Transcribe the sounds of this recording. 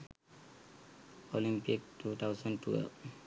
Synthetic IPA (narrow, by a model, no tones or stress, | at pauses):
olimpiktut̪ʰawsɔnʈṵḛl